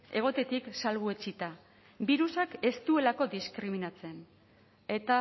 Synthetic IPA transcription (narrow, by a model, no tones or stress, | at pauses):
e̞ɣ̞o̞t̪e̞t̪iksalɣue̞t͡sit̪a | biɾusake̞st̪ue̞lako̞d̪iskɾiminat͡se̞n | e̞t̪a